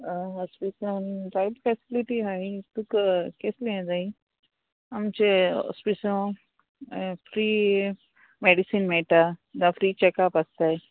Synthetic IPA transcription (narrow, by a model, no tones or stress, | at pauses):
ɔspisənbajbfesiliʈiɦait̪ukkesleẽd̪ai | amt͡ɕeɔ̰spiso | fɾi | meɖisinmeʈad̪ãfɾit͡ɕɛkapɐst̪aj